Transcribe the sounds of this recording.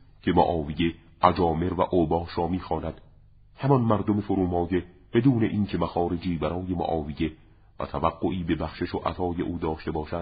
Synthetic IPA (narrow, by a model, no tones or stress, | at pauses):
cʰe̞moʔɒːvije̞ | ʔæd͡ʒɒːme̞ɾvæʔobɒːʃɾɒːmiːxɒːnæd̪̥ | hæmɒnmæɾd̪ome̞foɾuːmɒːje̞ | b̥e̞d̪uːne̞ʔiːncʰe̞mæxɒːɾed͡ʒiːbæɾɒːje̞mo̰ʔɒːvije̞ | væ̰t̪ʰævæɡːoʔiːbe̞bæxʃeʃoʔæ̰t̪ʰɒːje̞̰ʔuːd̪ɒːʃt̪e̞bɒːʃæ̥